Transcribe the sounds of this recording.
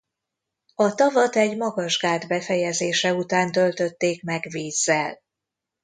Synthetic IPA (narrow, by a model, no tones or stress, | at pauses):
ɒt̪ɒvɒt̪ɛɟmɒɡɒʒɡaːd̪bɛfɛjɛzeːʃɛut̪aːnt̪ø̞lt̪ø̞t̪ːeːkmɛɡviːzːɛl